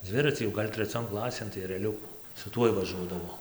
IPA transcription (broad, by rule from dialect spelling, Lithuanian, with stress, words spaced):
ˈd͡zʲʋʲɪrɐt͡sʲiː jɛʊ ˈɡɐlʲ tʲrʲɛˈt͡sʲoːn ˈklˠɑːsʲeːn tɐɪ ɛrʲɛˈlʲʊkʊ sʊ ˈtuɔj ʋɐˈʒuɔdɐʋɐʊ